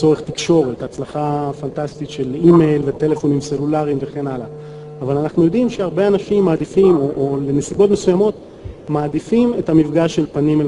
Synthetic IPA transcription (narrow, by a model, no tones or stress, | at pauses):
o̞ʁeχt̪ikʃo̞ʁet̪at͡slaχafantast̪it̪ʃelime̞jlvet̪e̞le̞fo̞nimse̞lulaʁimveχe̞nalaː | valanaχnujo̞dimʃeaʁbe̞anaʃimːaːd̪ifimo̞ʔole̞nesibo̞tmesujamo̞t̪ | maːd̪ifime̞tamifɡaʃelpanime